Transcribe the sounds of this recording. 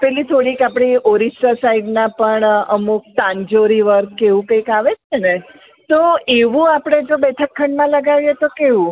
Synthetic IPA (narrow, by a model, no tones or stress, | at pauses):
pɛlit̪ʰoɽikapɽ̃ioɾisʈəsaiɖnãpəɳəmuk̚t̪ãɲd͡ʒoɾiʋəɾkkːeʋũkəikaʋet͡ʃʰene | t̪oeʋũapɽ̃ed͡ʒobɛt̪ʰəkʰːəɳɖmãləɡaʋjet̪okeʋũ